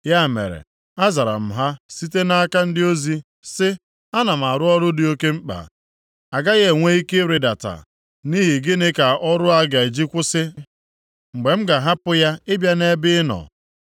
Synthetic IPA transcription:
ja˦˨mḛ˨ɾḛ˨ | a˦za˨ɾa̰˨m̩˨ɦa˦si˦te˦na˦ka˦n̩˦dɪ˦o˦zi˦ | sɪ˦ | a˦na˨m̩˨a˨ɾʊ˦ɔ˦ɾʊ˦dɪ˦o˦ke˦ŋ͡m̩˦k͡pa̰˨ | a˨ɡa˦ɣe˦˨ŋʷe˦i˦ke˦ɾe˨da˨ta̰˨ | ni˦ɦi˨ɡɪ˦nɪ˦ka˨ʔɔ˦ɾʊ˦a˦ɡa˨e˨d͡ʒi˦kʷʊ˦sɪ˦ | ŋ͡m̩˨ɡ͡be˨m̩˦ɡa˨ɦa˦pʊ˦ja˦ɪ˦bja˦ne˦bɪ˦nɔ̰˨

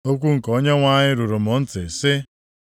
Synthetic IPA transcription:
o˦kʷu˦ŋ̩˨ko˦ɲe˦ŋʷa˦ɲɪ˦ɾu˨ɾʊ˨mʊ˨n̩˦tɪ˨sɪ˦

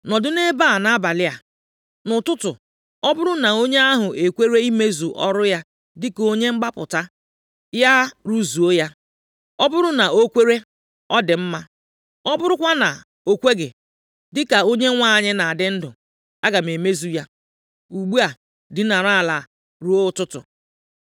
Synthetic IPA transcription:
nɔ˨dʊ˦ne˦ba˦˨na˦a˦ba˨lɪ˦a˨ | nʊ˨tʊ˦tʊ̰˨ | ɔ˦bʊ˦ɾʊ˦na˨o˦ɲe˦a˦ɦʊ˨ʔe˨kʷe˦ɾe˦i˦me˦zu˨ʔɔ˦ɾʊ˦ja˦ | dɪ˦ko˦ɲe˦ŋ͡m̩˦ɡ͡ba˦pʊ̰˨ta˦ | ja˦ɾu˦zu˨o˦ja˦ | ɔ˦bʊ˦ɾʊ˦na˨o˦kʷe˦ɾe˦ | ɔ˦dɪ˨m̩˦ma˦ | ɔ˦bʊ˦ɾʊ˦kʷa˦na˨ | o˨kʷe˦ɡɪ˨ | dɪ˦ka˨o˦ɲe˦ŋʷa˦˨ɲɪ˦na˨dɪ˦n̩˦dʊ˨ | a̰˦ɡa˨m˨e˨me˦zu˨ja˦ | u˨ɡ͡bu˦a˨ | dɪ˦na˨ɾa˦˨la˨ | ɾu˨˦o˦tʊ˦tʊ̰˨

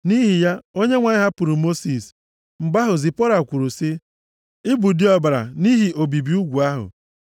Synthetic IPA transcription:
ni˦ɦi˨ja˦o˦ɲe˦ŋʷa˨ɲɪ˦ɦa˦pʊ˨ɾu˨mo˦si˨s | ŋ͡m̩˨ɡ͡ba˦ɦʊ˨zi˨pɔ˦ɾa˨kʷu˨ɾu˨si˦ | ɪ˦bu˨di˦ɔ˦ba˨ɾa̰˨ni˦ɦi˨ʔo˨bi˨bi˨˦u˦ɡʷu˨a˦ɦʊ̰˨

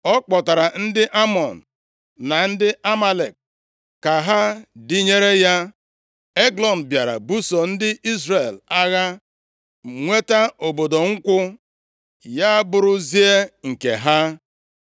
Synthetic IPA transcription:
ɔ˦k͡pɔ˨ta˨ɾa˨n̩˦dɪ˦ʔa˦mɔ˨n̩˨ | na˨n̩˦dɪ˦a˦ma˦le˨k̚ | ka˨ɦa˦dɪ˦ɲe˦ɾe˦ja˦ | e˦ɡlɔ˨n̩˨bja˨ɾa̰˨bu˦sɔ˨n̩˦dɪ˦ʔi˦zɾe˨la˦ɣa˦ | ŋʷe˦ta˦o˨bo˨do˨ŋ̩˦kʷʊ˦ | ja˦bʊ˦ɾʊ˦zi˦e˦ŋ̩˨kḛ˨ɦa˦

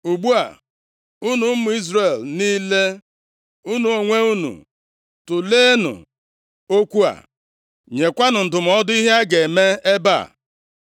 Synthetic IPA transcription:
u˨ɡ͡bu˦a̰˨ | u˦nu˨˦mʊ˨i˦zɾe˨lniː˦le˦ | u˦nu˨o˨ŋʷe˦u˦nṵ˨ | tʊ˨leː˦nṵ˨ | o˦kʷu˦a̰˨ | ɲe˨kʷa˦nʊ˨n̩˨dʊ˨m̩˨ɔ˦dʊ˦i˦ɦe˦a˦ɡe˨me˦e˦ba̰˦˨

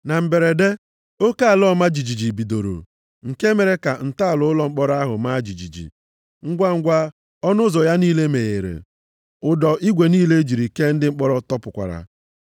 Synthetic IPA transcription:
na˨m̩˨be˨ɾe˨de˦ | o˦ka˦a˨lɔ˦ma˦d͡ʒi˨d͡ʒi˨d͡ʒi˨bi˨do˨ɾo̰˨ | ŋ̩˨ke˦me˨ɾe˦ka˨n̩˨ta˦a˨lʊ˦ʊ˦lɔ˦ŋ͡m̩˦k͡pɔ˦ɾa˦ɦʊ˨ma˦d͡ʒi˨d͡ʒi˨d͡ʒḭ˨ | ŋ̩˦ɡʷa˦ŋ̩˦ɡʷa˦ | ɔ˦nʊ˦zɔ˨ja˦niː˦le˦me˨ɣe˨ɾḛ˨ | ʊ˨dɔ˨ʔi˦ɡʷe˨niː˦le˦d͡ʒi˨ɾi˨ke˦n̩˦dɪ˦ŋ͡m̩˦k͡pɔ˦ɾɔ˦tɔ˦pʊ˨kʷa̰˨ɾa̰˨

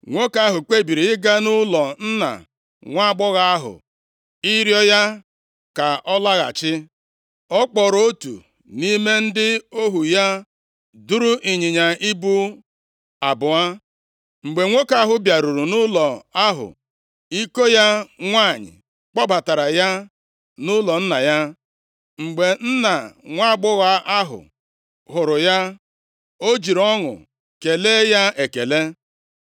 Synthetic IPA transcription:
ŋʷo˦ka˦ɦʊ˨k͡pe˦bi˨ɾi˨ɪ˦ɡa˦nʊ˦lɔ˨n̩˦na̰˨ | ŋʷa˦ɡ͡bɔ˦ɣa˦a˦ɦʊ̰˨ | i˦ɾjɔ˦ja˦ | ka˨ʔɔ˦la˦ɣa̰˨t͡ʃɪ˦ | ɔ˦k͡pɔ˨ɾo˦tṵ˨ | ni˦me˦n̩˦dɪ˦o˦ɦu˨ja˦ | du˦ɾu˦ʔi˨ɲɪ˨ɲa˨ʔi˦bu˦ | a˨bʊ˨a˦ | ŋ͡m̩˨ɡ͡be˨ŋʷo˦ka˦ɦʊ˦bja˨ɾu˨ɾu˨nʊ˦lɔ˨a˦ɦʊ̰˨ | i˦ko˦ja˦ŋʷa˦˨ɲɪ̰˨ | k͡pɔ˦ba˨ta˨ɾa˨ja˦ | nʊ˦lɔ˨n̩˦na˨ja˦ | ŋ͡m̩˨ɡ͡be˨n̩˦na˨ŋʷa˦˨ɡ͡bʊ˦ɣa˦ʔa˦ɦʊ̰˨ | ɦʊ˨ɾʊ˨ja˦ | o˦d͡ʒi˨ɾɔ˦ŋʊ̰˨ | ke˨leː˦ja˦e˨ke˨le˦

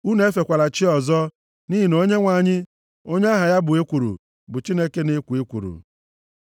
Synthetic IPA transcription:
u˦ne˨e˦fe˨kʷa˨la˨t͡ʃɪ˦ɔ˨zɔ˦ | ni˦ɦi˨no˦ɲe˦ŋʷa˨ɲɪ˦ | o˦ɲe˦a˦ɦa˨ja˦bʊ˨e˦kʷu˨ɾṵ˨ | bʊ˨t͡ʃi˦ne˦ke˦ne˦kʷu˨e˦kʷṵ˨ɾṵ˨

